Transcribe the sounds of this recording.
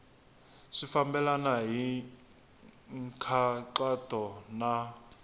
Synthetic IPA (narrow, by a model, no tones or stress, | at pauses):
ʂifambɛlanaɦi | ŋkʰaǁatʰʼɔna